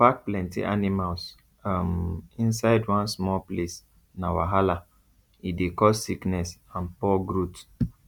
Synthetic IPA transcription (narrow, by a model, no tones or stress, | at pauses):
pak̚plɛ̃ntḭʔanimals | amĩnsaɪdwɔ̃nsmɔples | nawaɦala | idekɔssiknɛsãnpɔɡɹut